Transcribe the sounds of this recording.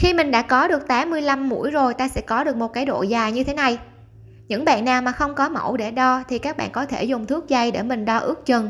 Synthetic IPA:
xi˧mï˨˩ŋɗa̰ː˧˥kɔ˨˦ɗɨ˨˩ək̚t̪aː˨˦mːɨ˧əjla˧mːṵ˧˥əjzo˨˩jt̪aː˧sɛ̰˧˥kɔ˨˦ɗɨ˨˩ək̚mo˨˩t̚kaː˨˦jɗo̰˧˨zaː˨˩jɲɨ˧t̪ʰe˨˦na˨˩j | ɲɨ̰˧˥ŋɓa̰ː˧˨nːaː˨˩wmaː˨˩xə˧wŋ͡mkɔ˨˦mə̰˧˩wɗe˧˩ɗɔ˧t̪ʰi˨˩kaː˦˥k̚ɓa̰ː˧˨nkɔ˨˦t̪ʰe˧˩zʊ˨˩ŋ͡mt̪ʰɨ˦˥ək̚za˧jɗḛ˧˩mï˨˩ŋ̟ɗɔ˧ʔɨ˦˥ək̚t͡ɕə˨˩n

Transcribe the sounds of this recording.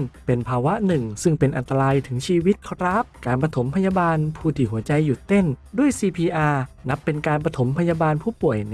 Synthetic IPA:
ŋpe˧npʰaː˧wa˦˥nɯ˨˩ŋsɯ˥˩ŋpe˧nʔa˧nt̪a˧ɾaː˧jt̪ʰɯ˩˦ŋt͡ɕʰiː˧wi˦˥t̪̚kʰa˧ɾa˦˥p̚kaː˧npɾa˧t̪ʰo˩˦mpʰa˧jaː˧baː˧npʰuː˧˩t̪ʰi˨˩ɦu˩˦ɐt͡ɕa˧jːu˨˩t̪ːe˥˩ndu˥˩əjsiː˧pʰiː˧ʔaː˧na˦˥pːe˧nkaː˧npa˧t̪ʰo˩˦mpʰa˧jaː˧baː˧npʰuː˥˩pu˨˩əj

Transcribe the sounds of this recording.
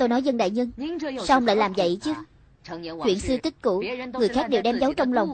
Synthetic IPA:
t̪o˧jnɔ˨˦jzə˧nɗa̰ː˧˨jɲɨ˧ŋsaː˧whə˧ŋ͡mla̰ː˧˨jlaː˨˩mzə̰˧˨jt͡ɕɨ˨˦ə | t͡ɕwḭ˧˨ənsɨ˧t̪i˦˥t̚kṵ˧˨ŋɨ˨˩əjxaː˦˥k̚ɗe˨˩wɗɛ˧mzə˨˦wt͡ɕɔ˧wŋ͡mlə˨˩wŋ͡m

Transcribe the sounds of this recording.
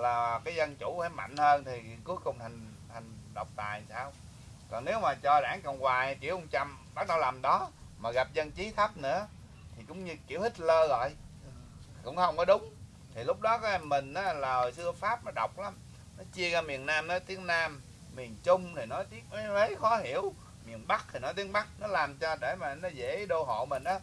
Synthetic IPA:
laː˨˩kaː˨˦jzə˧nt͡ɕʊ˧˩faː˧˩jma̰˧˨jŋ̟həː˧nt̪ʰi˨˩˨ku˨˦əjkʊ˨˩ŋ͡mtʰa˨˩ŋ̟ | t̪ʰa˨˩jŋ̟ɗə˨˩wk͡p̚t̪a̰ː˨˩jnsaː˧w | kɔ˨˩nne˨˦wmaː˨˩t͡ɕɔ˧ɗaː˧˩ŋkə̰˧˨wŋ͡mkwaː˨˩jki˧˩əwʔʊ˧ŋ͡mt͡ɕa˧˩mɓa˦˥t̚ɗə˧wlaː˨˩mɗɔ˨˦maː˨˩ɣa˨˩p̚zə˧nt͡ɕi˨˦t̪ʰə˦˥p̚nɨ̰˧˥ə | t̪ʰi˨˩kʊ̰˧˥wŋ͡mɲɨ˧ki˧˩˨əwhi˦˥k̚ləː˧ɣɔ̰˧˨j | kʊ̰˧˥ŋ͡mhə˧wŋ͡mkɔ˨˦ɗʊ˨˦ŋ͡m | t̪ʰi˨˩lʊ˦˥k͡p̚ɗɔ˨˦kɔ˨˦˧mmːï˨˩ŋ̟ʔaː˨˦laː˨˩sɨ˧əfaː˦˥p̚nɔ˨˦ɗə˨˩wk͡p̚la˨˦m | nɔ˨˦t͡ɕi˧əɣaː˧mi˨˩ənnːaː˧mnɔ˨˦jt̪i˨˦˥əŋnaː˧mː | i˨˩ənt͡ɕʊ˧ŋ͡mt̪ʰi˨˩nɔ˨˦t̪i˦˥ək̚ːvə˨˦jxɔ˨˦hi˧˩˨əw | mi˨˩ənɓa˦˥k̚t̪ʰi˨˩nɔ˨˦t̪i˨˦ən̚ɓa˦˥k̚nɔ˨˦laː˨˩mt͡ɕɔ˧ɗe˧˩maː˨˩nɔ˨˦zḛ˧˥˨ɗo˧ɦo̰˧˨mï˨˩ŋ̟ʔaː˨˦

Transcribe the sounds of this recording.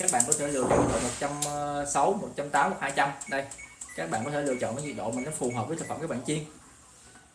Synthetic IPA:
kaː˦˥k̚ɓa̰ː˧˨kɔ˨˦˥t̪ʰe˧˩lɨ̰˧˨ət͡ɕɔ̰˧˨nt̪əː˨˩jmo˨˩t̚t͡ɕa˧msa˨˦wmo˨˩t̚t͡ɕa˧mt̪aː˨˦mkɔ˨˩haː˧jt͡ɕa˧mɗə˧jkaː˦˥k̚ɓa̰ː˧nkɔ˦t̪ʰe˧˩lɨ̰˧˨ət͡ɕɔ̰˧˨nəː˨˦jwḭ˧˩k̚ɗo̰˧˨mi˨˩nɗɔ˨˦jfu˨˩ɦəː˨˩p̚ə˨˦jt̪ʰkfə˨˩mkaː˦˥ɓa̰ː˧˨nt͡ɕi˧ən

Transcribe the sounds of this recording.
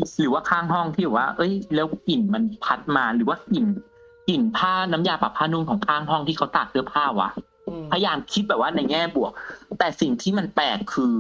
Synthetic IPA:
ɾɯː˩˦waː˥˩kʰaː˥˩ŋɦɔ˥˩ŋt̪ʰiː˥˩bɛː˨˩waː˥˩ʔɤ˦˥jlɛː˦˥wki˨˩nma˧npʰa˦˥t̪̚maː˧ɾɯː˩˦waː˥˩ki˨˩n | ki˨˩npʰaː˥˩na˧˦˥mjaː˧˩pa˨˩pʰːaː˧˥˩nu˧nkʰɔː˨˩˦ŋkʰaː˥˩ŋɦɔ˥˩ŋt̪ʰiː˥˩kʰa˦˥wt̪aː˨˩k̚sʰɯ˥˩ɐpʰaː˥˩wa̰˦˥ʔ | pʰa˧ja˧jaː˧mkʰi˦˥t̪̚bɛː˨˩p̚waː˥˩na˧jŋɛː˥˩bu˨˩ək̚t̪ɛː˨˩si˨˩ŋt̪ʰiː˥˩ma˧npɛː˨˩kʰːɯː˧

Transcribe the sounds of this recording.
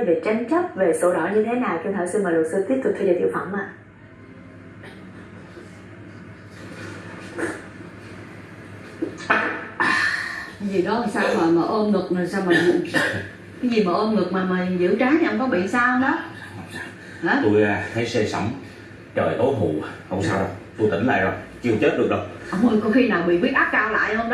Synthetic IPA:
ve˨˩t͡ɕa˧ŋ̟t͡ɕə˦˥p̚ve˨˩so̰˧˩ɗɔ̰˧˨ɲɨ˧t̪ʰe˨˦naː˨˩wt͡ɕɔ˧t̪ʰəː˧˨˩jsɨ˧maː˨˩lt̚sɨ˧t̪i˦˥əp̚t̪ʊ˨˩k̪ʰːi˧ɗḛ˨˧˩t̪ḭ˧˩əwfə̰˧˩ŋ͡mmʔaː˧˨˦ | zi˨˩ɗɔ˨˦ha˨˩ŋ͡msaː˧wmaː˨˩maː˨˩ʔo˧nŋɨ˨˩k̚naː˨˩saː˧wmaː˨˩m˨˩ | kaː˨˦jzi˨˩maː˨˩ʔo˧nŋɨ˨˩k̚maː˨˩maː˨˩˨zɨ̰˧˥t͡ɕaː˨˦n˨˩ʔə˧ŋ͡mkɔ˨˦ɓḭ˧˨ənsaː˧whə˧wŋ͡mɗɔ˨˦˧ | hwŋ͡msːw | ha˨˦t̪u˧jha˧˦jse˧sə˧˩wŋ͡m | t͡ɕəː˨˩jʔ̪o˨˦ɦṵ˧˨hə˧wŋ͡msaː˧wzə˧˩wt̪u˧jt̪ï˧˩ŋla̰ː˧˨zo˨˧˩jt͡ɕi˧ə˧wt͡ɕə˦˥t̚ɗɨ˨˩ək̚ɗə˧wʔə˧wŋ͡mʔə˧jkɔ˨˧˦xi˧naː˨˩wɓḭ˧˨ɓi˦˥t̚ʔaː˦˥p̚kaː˧wla̰ː˧˨jhə˧wŋ͡mɗɔ˨˦

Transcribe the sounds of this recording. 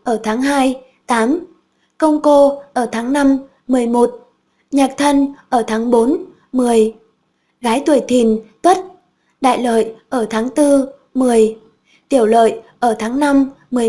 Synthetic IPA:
ʔəː˧˩t̪ʰaː˨˦ŋɦaː˧j | t̪aː˨˦m | kə˧wŋ͡mko˧ʔəː˧˩t̪ʰaː˨˦ŋna˧mː | ɨ˨˩əjmo˨˩t̚ | ɲaː˨˩k̚t̪ʰə˧nʔəː˧˩t̪ʰaː˨˦ŋɓo˨˦n | mɨ˨˩əj | ɣaː˨˦jt̪u˧˩əjt̪ʰi˨˩nt̪wə˦˥t̚ | ɗa̰ː˧˨jlə̰ː˧˨jʔəː˧˩t̪ʰaː˨˦ŋt̪ɨ˧ | mɨ˨˩əj | t̪i˧˩əwlə̰ː˧˨jʔəː˧˩t̪ʰaː˨˦ŋna˧m | mɨ˨˩ə˩

